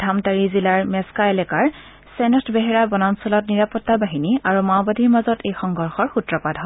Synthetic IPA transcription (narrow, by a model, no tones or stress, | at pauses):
d̥ʱamtaɹizilaɹmɛskaelɛkaɹ | sɛnɔtʰbeɦɛɹabɔnansɔlɔtniɹapɔtːabaɦiniaɹumaʊbadʱiɹmazɔtejxɔŋɡʱɔɹxɔɹxutɹɔpadʱɦɔ